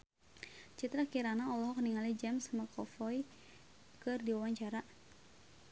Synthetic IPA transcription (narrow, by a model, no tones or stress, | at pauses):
t͡ʃit̪ɾakiɾanaɔlɔɦɔkniŋalid͡ʒɛmsmakʰɔfɔj | kɨrdiwawaɲt͡ʃaɾa